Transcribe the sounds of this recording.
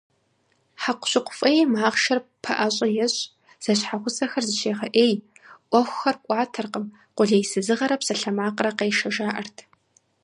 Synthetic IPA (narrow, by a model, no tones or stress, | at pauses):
ħaqʷʊɕɪqʷʊfʼɐjɛmaːʁʃɐrpʰɐʔɐɕʼɐjɛɕʼ | z̥ɐɕħaʁʷʊsʼɐxɐrzɨʃeːʁɐʔeːjʔʷɔxʷxɐrkʷʼɑːtʰɐrqəm | qʷʊɮɐjsɨzɨʁɐɾɐpsɐɬɐmaːqrɐqeːjʃɐʒaːʔɐrtʰ